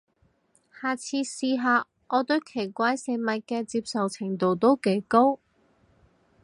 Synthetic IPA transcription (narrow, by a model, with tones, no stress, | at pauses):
haː˨˧t͡sʰiː˧siː˧ɦaː˨˧ | ʔɔː˨˧t̪ɵ˨˥ɥkʰe˨˩jkʷaː˧˥jse˨˧˥mɐ˨t̚kɛː˧t͡siː˧p̚sɐ˨wt͡sʰɪ˨˩ŋt̪o˨˧wt̪o˥wke˨˥jko˥w